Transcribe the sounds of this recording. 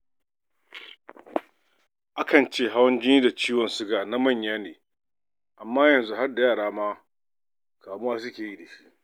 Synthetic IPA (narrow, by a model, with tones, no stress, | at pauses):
ʔa˦kɐ˨nt͡ʃeː˦˨ɦa˦wɐ˦nd͡ʒɪ˦niː˦da˨t͡ʃiː˦wɔ˨nsʊ˦ɡaː˨na˦mɐ˦˨ɲjaː˦neː˨ | ʔa˨mːaː˦jɐ˨nzu˦ɦa˦rda˨jaː˦˨ɽaː˦maː˦ | kaː˨mʊ˦waː˦s̬ʊ˦kʲeː˨jiː˦˨da˨ʃi˦ʔ